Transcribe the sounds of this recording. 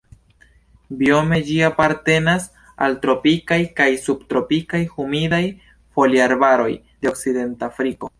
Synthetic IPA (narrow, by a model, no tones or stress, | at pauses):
bio̞me̞d͡ʒiapaɾte̞nas | a̰ltɾo̞pikajkajsubtɾo̞pikajhumidaj | fo̞liaɾbaɾo̞̰j | deo̞kside̞ntafɾiko̞